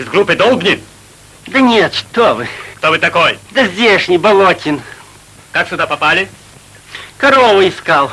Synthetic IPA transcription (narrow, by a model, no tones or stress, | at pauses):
ɪzɡɾupɨd̪ɔlˠbnʲɪ | d̪ɐnʲet̪ʂt̪ovɨkt̪ovɨt̪ɐkojd̪ɐzʲdʲeʂnʲɪbɐlˠotʲɪn | kaksʊd̪apɐpalʲɪ | kɐɾovʊɪskalˠ